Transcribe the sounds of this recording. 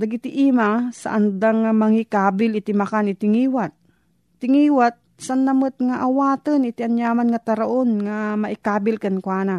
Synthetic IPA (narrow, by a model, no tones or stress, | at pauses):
d̪ɐɡɪt̪ɪʔimasa̰ʔɐnd̪aŋamɐŋikaːbɪlɪt̪ɪmɐkanɪt̪ɪŋiːwat̪̚ː | ɪŋiːwat̪̚ | saanːɐmɨt̪̚ŋaʔawaːt̪ənɪt̪ɪʔanjaːmanŋat̪aɾaʔonŋamɐʔɪkaːbɪlkankwaːna